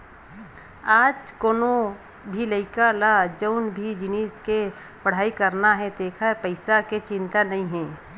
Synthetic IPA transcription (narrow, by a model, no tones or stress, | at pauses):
aːd͡ʒkoːno | bʱiləɪkalad͡ʒəʊnbʱid͡ʒɪniːske | pɐɽ̤aːikəɾnaɦɛd̪eːkʰapəɪsaket͡ʃɪ̃nt̪anɐɦĩɦɛ̃ː